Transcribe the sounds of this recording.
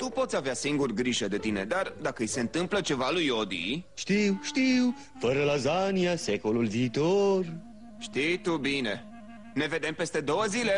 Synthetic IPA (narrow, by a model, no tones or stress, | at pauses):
t̪upo̞t̪sʲaveasiŋɡurɡɾiʒəd̪e̞t̪ine̞̰d̪ard̪akəɨjse̞ɨnt̪ɨmplət͡ʃe̞valujod̪ḭʃt̪iwʃt̪iw | fəɾəlazaniase̞ko̞lulviːt̪or | ʃt̪ijt̪ubine̞ | ne̞ve̞d̪e̞mpe̞st̪e̞d̪o̞wəzile̞